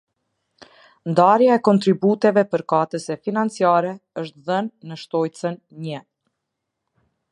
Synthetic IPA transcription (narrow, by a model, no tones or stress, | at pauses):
nd̪aɾjaɛkɔnt̪ɾibut̪ɛvɛpəɾkat̪əsɛfinant͡siaɾɛəʃt̪ðənːəʃt̪ɔj̪t͡sən | ɲə